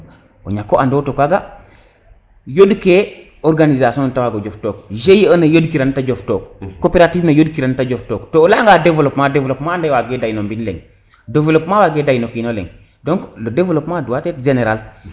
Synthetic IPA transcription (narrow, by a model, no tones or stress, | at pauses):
o̰ɲakːoʔandotokʷaɡa | jodke | oɾɡanizasontawaɡod͡ʒoftoːk̚ʒejənajodkiɾantad͡ʒoftoːk̚ːopeɾativnajodkiɾantad͡ʒoftoːktolaŋɡadevlopmadevlopmaːndawaɡedajinombinlḛŋ | developmawaɡeːdajnokinolḛŋ | doŋklodevlopmaduwatetd͡ʒeneɾal